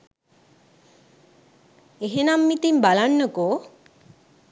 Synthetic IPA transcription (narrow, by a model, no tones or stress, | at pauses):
eɦenamːit̪imbalanːəkoː